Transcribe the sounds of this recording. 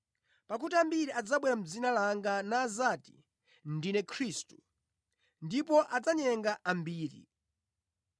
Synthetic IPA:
pak̬utiambiɾiad͡zaɓwɛɾam̩d͡zinalaŋɡanaːzati̥ | ndinɛkʰɾistu̥ | ndipɔʔad͡zaɲɛŋɡaʔambiːɾḭ

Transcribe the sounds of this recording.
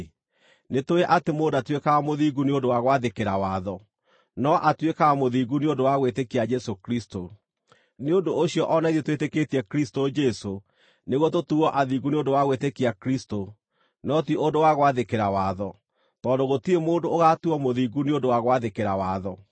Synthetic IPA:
netoeʔatemoːndatwekaamoðiːɡuneondowaɣwaðekeɾawaðɔ | nɔʔatwekaamoðiːɡuneondowaɣwetekiad͡ʒɛsokɾisto | neondoːɕijɔʔɔnaiðetwetekeːtiɛkɾistod͡ʒɛso | neɣwɔtotuɣɔʔaðiɡuneondowaɣwetekiakɾisto | nɔtiondowaɣwaðekeɾawaːðɔ | tɔndoɣotiemoːndoːɣatuɔmoðiːɡuneondowaɣwaðekeɾawaːðɔ

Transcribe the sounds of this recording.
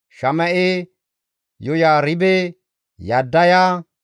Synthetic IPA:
ʃɐmɐʔe | jɔjaːɾɪbɛ | jadːɐja

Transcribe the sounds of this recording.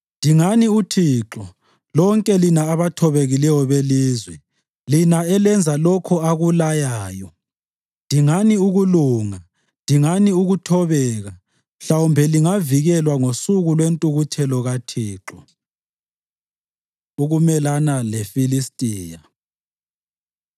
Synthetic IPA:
ndʱiŋaniutʰiːǁɔ | lɔŋkʼɛlinaːβatʰɔβeɣilɛjɔβeliːzwɛ | linaɛlɛnd͡zʱalɔkʰɔaɣulajaːjɔ | ndʱiŋaniuɣuluːŋa | ndʱiŋaniuɣutʰɔβɛːɣa | m̩ɬawumbʱɛliŋaviɣɛlwaŋosuɣulwentʼuɣutʰɛlɔɣatʰiːǁɔ | uɣumɛlanalefilistʼiːja

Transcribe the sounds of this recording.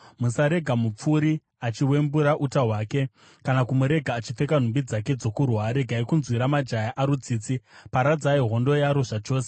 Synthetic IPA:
musaɾe̞ɡʱamup͡fuɾi | at͡ʃiwe̞mbuɾaʔutaɦwaːke̞ | kanakumuɾe̞ɡʱaːt͡ʃife̞kan̤umbid͡zake̞d͡zo̞kurwaɾe̞ɡʱaikunzwiɾamad͡ʒajaʔaɾud͡ziːt͡sipaɾad͡zaiɦo̞ndo̞jaɾoʐat͡ʃo̞ːs̬e

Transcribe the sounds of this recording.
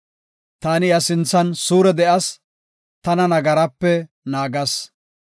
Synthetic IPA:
t̪aːnɪjɐsɪnt͡sːɐnsuːɾɛd̪ɛʔɐs | t̪ɐnɐnɐɡɐɾɐpːɛ | naːɡɐs

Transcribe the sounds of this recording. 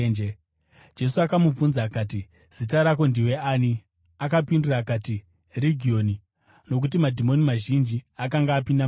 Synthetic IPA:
e | d͡ʒe̞suakamub͡vunzakaːti | z̥it̬aɾako̞ndiwe̞ani | akapinduraːkaːti | riɡʱio̞ni | no̞k̬utimadʱimo̞nimaʒind͡ʒiakaŋɡaːpinda

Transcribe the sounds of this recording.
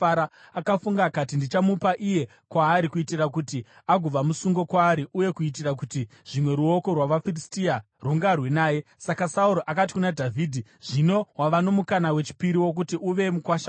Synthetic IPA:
aɾa | akafuŋɡaːkatindit͡ʃamupaʔije̞ | kwaːɾikuitirakuti | aɡʱub͡vamusuŋɡo̞kwaːɾiʔuje̞kuit̬irak̬uti | ʐ̥imwe̞ɾuo̞ko̞rwaʋafiristia | ruŋɡːrwe̞naːje̞sakasauɾoʔakat̬i̥kunadʱavʱiːdʱiʐ̥ino̞waʋano̞mukanawe̞t͡ʃi̥piɾiwo̞k̬utiʔuʋe̞mukwaʃa

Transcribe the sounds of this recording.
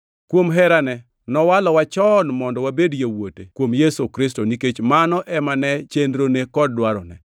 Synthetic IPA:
kwomɦɛɾanɛ | nɔwalɔwat͡ʃɔnmɔndɔwabedjewotekwomjesokɾɪs̬tɔniket͡ʃmanɔʔɛmanɛt͡ʃendɾonekɔd̚dwaɾɔnɛ̰

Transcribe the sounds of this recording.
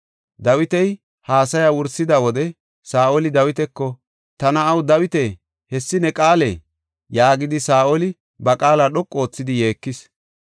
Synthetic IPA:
d̪ɐwɪt̪ɛj | haːsɐjawʊɾsɪd̪ɐwɔd̪ɛ | saːʔolɪd̪ɐwɪt̪ɛkːɔ | t̪ɐnɐːwd̪ɐwɪt̪e | hɛsːɪnɛkʼaːlḛː | jaːɡɪd̪ɪsaːʔolɪ | bɐkʼaːlaːɗɔkʼːo̞ːt͡sːɪd̪ɪje̞ːkːɪs

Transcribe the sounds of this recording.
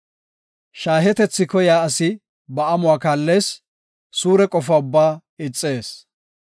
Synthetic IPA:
ʃaːɦɛt̪ɛt͡sːɪkɔjaːɐsɪ | bɐɐmʊwaːkaːlːe̞ːs | suːɾɛkʼɔfaːʊbːaː | ɪt͡sʼːe̞ːs

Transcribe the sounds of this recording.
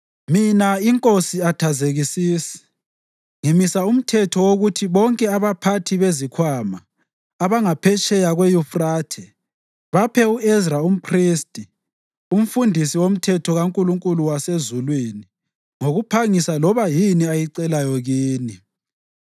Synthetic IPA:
minaiŋkʼosiatʰazeɣisiːsi̥ | ŋimisaum̩tʰɛtʰɔwoɣutʰiβɔŋkʼɛaβapʰatʰiβezikʰwamaː | βaŋapʰɛt͡ʃʼɛjaɣwejufraːtʰɛ | βapʰɛuʔɛzraum̩pʰristʼi | um̩fundʱisiwom̩tʰɛtʰɔɣaŋkʼuluŋkʼuluwasezulwini | ŋoɣupʰaŋisalɔβajiniajiǀɛlajɔɣiːni

